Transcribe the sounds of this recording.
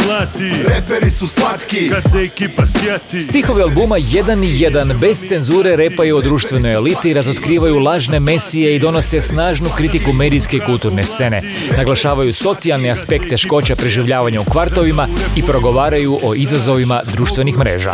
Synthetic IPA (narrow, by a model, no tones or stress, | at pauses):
lɾepeɾisuat̪ki | st̪ixo̞ʋialˠbumaje̞d̪anijed̪anbe̞st̪se̞nzuːɾe̞ɾe̞ːpajeod̪ɾuːʃt̪ʋe̞no̞jelit̪iɾazo̞t̪kɾiːʋajulˠaːʒne̞mesije̞id̪o̞no̞se̞snaːʒnukɾit̪ikume̞ːd̪iske̞ikulˠt̪uɾne̞st̪se̞ne̞̰ | naɡlˠaʃaːʋajuso̞t̪sialˠneaspe̞kt̪ːe̞ʃko̞ːt͡ɕapɾeʒiʋʎaːʋaɲaukʋaɾt̪o̞ʋimaipɾo̞ɡo̞ʋaːɾajuʔo̞ʔizazo̞ʋimad̪ɾuːʃt̪ʋe̞nixmɾḛːʒa̰